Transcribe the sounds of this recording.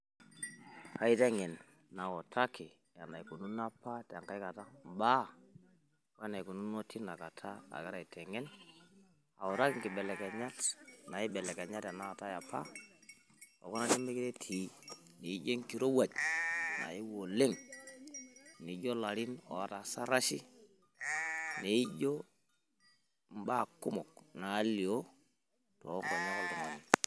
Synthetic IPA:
ha˨˦i˦te˦ŋe˨nː | a˨wo˨tʰa˦kʰi˨ | ja˨na˨i˨ku˨nu˦na˦pa˦ta˨ŋka˦i˦ka˨ta˦mba˦ | wna˨i˨ku˨nu˦no˦ti˦na˨ka˨tʰa˦a̰˨ke˦ɾa˨i˨te˨ŋe˦n | a˨wo˨ɾa˦ki˦ŋki˨ɓe˨le˨ke˨ɲa˦tna˨ji˦ɓe˨le˨ke˨ɲa˦tja˨na˦a˨ta˦ja˨pʰa̰˦ | o̰˨ku˦na˦ti˦me˦ki˦ɾe˦tʰi˨˦ne˨i˦d͡ʒe˦ŋki˨ɾo˦wa˨t͡ʃna̰˨ji˦wo˨le˦ŋ | ni˨ɟo˦la˨ɾi˦no̰˨a˦ta˨sa˦ɾa˦ʃi˦ | ne˨i˦ɟo˦ | m˦ba˦˨ku˦mɔ˨k̚na˨˦li˨o˦ | to̰˨˦ŋɡa˨ɲa˦ko˦ldi˨mo˨ni˦

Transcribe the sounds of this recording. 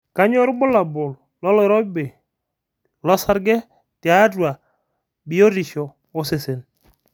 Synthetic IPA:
ka˦ɲɔ˦ɾbʊ˦la˨bʊ˨l | lɔ˦lɔ˦˨˦ɾɔ˦be˨ | lɔ˦sa˦ɾɡɛ˦ | tɪ˨a˦dwa˨ | bi˨o˦ɾi˨ʃɔ˨ | o˦se˨se˨n

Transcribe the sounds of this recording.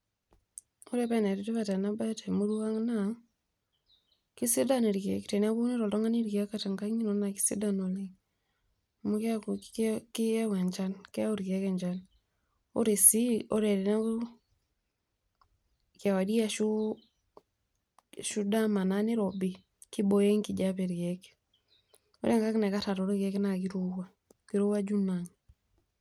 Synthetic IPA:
o˦ɾɛpa˦˨nɛ˨ɾi˨te˦βata˨na˦ba˦ta˨mo˦ɾua˦ŋna | ki˦si˦da˦ne˨ɾkɛki˨tɛ˨n˦a˦βu˦nɪ˦ɾɔ˨lɔ˦ŋa˦ni˦ɾika˦kata˨ŋɡa˦ɲi˦nɔna˨ki̥˦sḭ˦da˨no˨li | mo˦k | ki˦ɛ˦wɛ˨ɲd͡ʒa˦nkɛ˦o˦ɾikɛ˦kɛ˨ɲd͡ʒan | ɔ̰˦ɾe˨si˦ɔ˦ɾɛ˨ɾina˦u | kɛwa˨di˦a˦ʃu | ʃu˦da˦ma˨nani˦ɾɔbi˦ | ki˦bɔjɛ˦ŋkid͡ʒapɛɾkɛki̥ | ɔ̰ɾʔɛ˦ŋka˦kna˨ka˦ta˨ɾɔɾi˦kɛki˦naki˦ɾuwa | kiɾu˦wa˦d͡ʒu˦naŋ

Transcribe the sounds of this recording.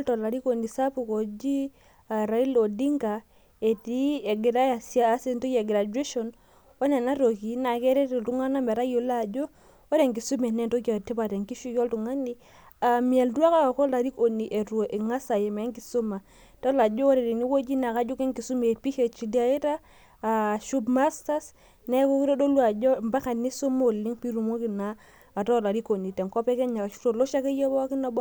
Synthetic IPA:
ltɔ˨la˨ɾi˦ko˨ni˨sa˦pu˨ko˨d͡ʒi˦ | a˨ɾa˨i˦lo˨di˦ŋɡa˨ | e˨ti˦e˨ɡɪ˨ɾa˦ja˨si˦a˦a˦se˦nto˦je˨ɡɪ˨ɾa˨d͡ʒwe˦ʃo˨n | wɔ˦nɛ˨na˦ɾo˨ki˨na˨kɛ˦ɾɛ˦te˨ltu˦ŋa˦na˦mɛ˨ɾa˦jo˨la˨d͡ʒo˦ | ɔ˦ɾe˨ŋɡi˨su˦mɛ˨nɛ˦˨nto˦ko˨ti˦ba˨tɛ˨ŋki˦ʃu˦kɔ˦ltu˨ŋa˦ni˦ | a˨mi˨ɛ˨ldu˦a˦ka˦ka˨kɔ˦la˨ɾi˦ko˨ni˨ʔe˨ɾu˨ʔe˨ŋa˦sa˨je˨me˨˦ŋki˨su˦ma˨ | ta˦la˨d͡ʒo˦o˦ɾɛ˨di˨ni˦wo˦d͡ʒi˦na˨ka˦d͡ʒo˦kɛ˦ŋki˨su˦me˨pi˦he˨t͡ʃi˨di˦a˨je˦ta˦ | a˨ʃu˦bma˦sta˦s | nɛ˦ko˦ki˦ɾɔ˦do˦lu˦a˨d͡ʒɔ˦˨mba˦ka˨ni˦su˦mo˦˨lːi˦ŋpi˦ɾu˨mo˦ki˨naː˨ | tɔ˦˨la˨ɾi˦ko˨ni˨tɛ˨ŋkɔ˦pɛ˦kɛ˦ɲa˨ʃu̥˦to˨lo˦ʃa˦ke˦jo˦bɔ˦a˦ki˦na˨b

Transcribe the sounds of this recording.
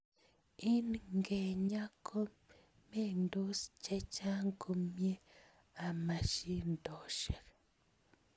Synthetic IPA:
i˦nŋɡe˨ɲa˦kʰo˦ | me˦˨ndu˦st͡ʃe˦t͡ʃa˦ŋku˦mje˦ | a˨ma˨ʃi˦ndo˨ʃe˨ka

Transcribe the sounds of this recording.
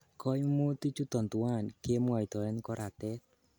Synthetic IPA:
kɔ˦jmu˦t̪i˦t͡ʃu˦d̪̥ɔ˨nt̪u˨a˦˨nke˦m˦a˨i˨d̪ɔ˨ɛ˦nkɔ˦ɾa˨t̪ɛ˦t̪̚

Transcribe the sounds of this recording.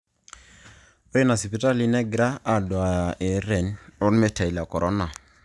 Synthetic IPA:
o˦ji˦na˨si˨pi˨˦ta˦li˦nɛ˦ɡɾa˦a˨do˨a˨e˨ɾɛ˨nɔ˦nme˦ta˨i˨la˨kɔ˨ɾʔɔ˦na˨

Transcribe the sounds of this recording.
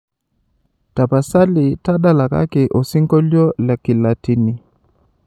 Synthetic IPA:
ta˨pa˨sa˦li˨ta˦ɗa˦la˨ka̰˦kɛ˨ʔo˨si˦ŋɡɔ˦ljɔ˦la˨ki˨la˨ti˦ni˨

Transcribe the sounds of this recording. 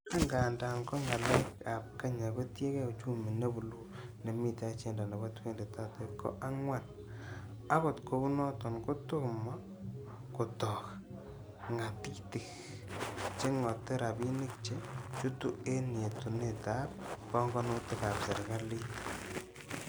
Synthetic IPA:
a˦ŋɡa˨nda˨ŋkɔ˦ŋa˨la˦ka˨p̚ka˦ɲa˨bɔ˦tje˦kɛ˦˨t͡ʃu˦mi˨ne˦bu˨lu˦ | ne˨mi˨ta˦t͡ʃe˦˨nda˨na˨ba˦twe˦nde˨ta˦te˨kːɔ̰˦ʔa˦ŋwa˦n | a˦ko˨tko˨bu˦nɔ˦tɔ˨nkʊ˦tʊ˦kmɔ˦ | kʊ˨tɔ˨k | ŋa˨ti˦ktɪ˨k | t͡ʃe˦ŋɔ˨te˦ɾa˨bi˦nɪ˦k̚t͡ʃe˦t͡ʃu˦tu˦e˦nje˨tu˨ne˦ta˦p̚kɔ˦ŋɡɔ˦no˦tɪ˦ka˨pse˨ɾka˦li˦

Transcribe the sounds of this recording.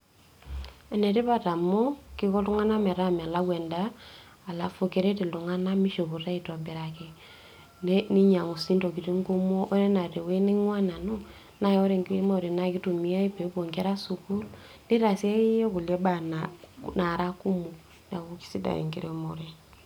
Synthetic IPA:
a˨ne˨ti˦pa˦ta˨mo˦ki˦kɔ˦tu˦ŋa˦na˦mɛ˨ɾa˦m˨a˨la˦ɡwe˨nda˦ | a˨la˨fo˨ke˨ɾe˦ti˨lu˨ŋa˦na˦mi˦ʃo˨bu˨ta˦i˨tɔ˨be˨ɾa˨ke˨ | ne˦ni˦ɲa˨ŋo˨si˦nto˨ki˨ti˦ŋɡu˦mo˦ʔo˦ɾe˦na˨te˨we˦ni˦ŋwa˦na˨no˦ | na˦jo˦ɾe˦˨ŋɡi˦e˦mo˨ɾe˨na˨ki˦tu˨mi˦a˦i˦pe˨˦bo˨ŋɡe˦ɾa˦su˨ku˦l | ni˦ɾa˨si˦e˦jɔ˦ku˨le˦ba˨nana˨ɾa˦ku˦mu˨ | na˨ku˦ki̥˦si˦da̰˨ḛ˨ŋɡḭ˦ɾe˦mo˨ɾe˨

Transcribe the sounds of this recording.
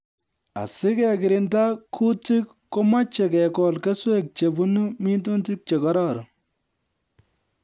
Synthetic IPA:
a̰˨sɪ˦kɛ˨kɪ˨ɾɪ˨nda˦kʰu˦ti˦kːo˦ma˦t͡ʃe˨kɛ˨kɔ˨lke˦swe˦k̚t͡ʃe˨bu˦nu˦mi˦ntu˦nti˦k̚t͡ʃe˨kɔ˦ɾɔ˦˨ɾ

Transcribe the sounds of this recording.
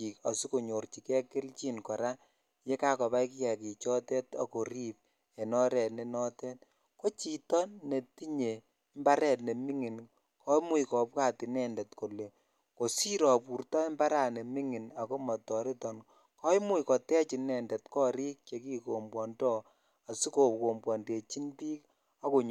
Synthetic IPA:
ki˨ka˨si˦ko˨ɲo˨ɾt͡ʃi˨kɛ˦kɪ˦lt͡ʃi˦nkɔ˨ɾa˦ | je˦ka˦kɔ˨ba˦jki˦jɛ˨ki˨t͡ʃɔ˦tɛ˦ta̰˨ko˨ɾi˦p̚ | ɛ˨nɔ˦ɾɛ˨ne˨nɔ˦tɛ˦t | ko˦t͡ʃi˨tɔː˦e˨ti˦ɲe˨ | mba˦ɾɛ˨tne˨mi˦ŋi˨n | kʰɔ˦mu˦jkɔ˨p̚ka˦ti˨nɛ˦ndɛ˨tko˨le˨ | ko˨si˦ɾɔ˨pu˨ɾtɔ˦mba˦ɾa˦˨ne˨mi˦ŋi˨na˨ko˦mɔ˨tɔ˨ɾi˦tɔ˨n | kɔ˦jmu˦jkɔ˨tɛ˦t͡ʃi˨nɛ˨ndɛ˨tkɔ˦ɾi˦k̚t͡ʃe˨ki˦ko˨mbwɔ˨ndɔ˦ | a˨si˦ko˨ko˨mbwɔ˨nde˨t͡ʃi˦npiː˦k | a˦ko˨ɲ

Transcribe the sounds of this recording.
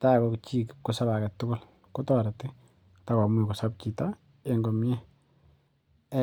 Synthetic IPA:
ta˦kɔkt͡ʃi˦kkʊ˦sa˦ba˨kɛ˨tʊ˦kʊ˦l | ko˦tɔɾa˨ti˦ | ta˦ka˨mwi˨ko˨sa˦p̚t͡ʃi˨ta˦ | eŋɡɔ˨mjɛ˦

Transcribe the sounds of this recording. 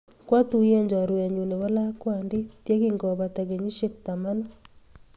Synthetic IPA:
kwa˦tu˨je˦ɲd͡ʒa˨ɾwa˨ɲu˨ne˨βɔ˦la˦kwa˨ndi˦tje˦ki˦ŋɡɔ˨βa˨ta˨ɣe˨ɲi˦ʃek̚ta˨ma˦no˦

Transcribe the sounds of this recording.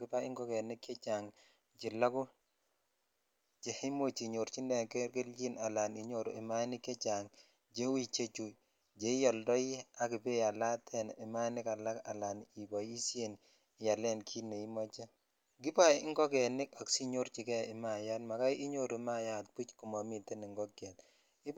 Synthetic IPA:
ɡɪ˦pa˦ɪ˦ŋɡɔ˦kɛ˨nɪ˦kːe˦t͡ʃa˨ŋ | t͡ʃɪ˨la˦kʊ˦ | t͡ʃe˨hɪ˦mo˦t͡ʃi˨ɲo˨ɾt͡ʃi˦ndɛ˨ke˦ke˦ld͡ʒi˦na˨la˨ni˨ɲo˦˨ɾo˨ɪ˨ma˦nɪ˦kje˦t͡ʃa˨ŋ | d͡ʒe˦wi˦˨t͡ʃe˦t͡ʃu˨ | d͡ʒe˨˦jɔ˨ldɔ˦i˦a˦kɪ˨pe˦ja˨la˦tʰɛ˨nɪ˨ma˦nɪ˦ka˨la˦ka̰˨la˨ni˨ba˨ji˦sje˦˨n˨ | ja˨lɛ˦nkʰi˦ne˨i˦mɔ˦t͡ʃe˦ | ɡɪ˦pa˦˨˦ŋɡɔ˦k̬ɛ˨nɪ˦ka˨ksi˦ɲo˦rt͡ʃi˨kɛ˦ɪ˨ma˨ja˦tma˨ka˦ɪ˦ɲo˦ɾo˨ma˦ja˨t̚pu˦t͡ʃkʊ˨mɔ˨mi˦˨te˦nɪ˨ŋɡɔ˦kɛ˨t | ɪ˦

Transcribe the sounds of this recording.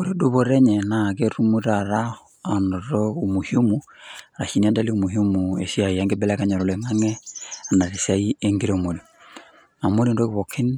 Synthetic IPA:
o˨ɾe˨do˦βo˦ɾe˦ɲɛ˨na˨ɡe˦ɾu˦mu˦ɾa˨ɾa˦ | a˨no˨ɾo˦u˨mu˨hi˦o˦mu˨ɾa˨ʃi˨ni˦a˦da˦li˦u˨mu˨hi˦o˦mu˨ḛ˨si˦a˨i˨a˦ŋɡe˦bɛ˦la˦ka˦ɲɔ˨ɾɔ˨le˨ŋa˦ŋɛ˦a˨na˨ɾe˨sa˦i˦e˦ŋɡi˦ɾe˦˨mo˨lu˨ | a˨mo˦li˨ndo˦ɡi˦βo˨kʰi˦n

